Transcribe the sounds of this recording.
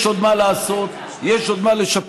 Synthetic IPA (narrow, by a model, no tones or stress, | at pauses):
ʃod̪malaːso̞t̪ | jeʃo̞d̪maleʃap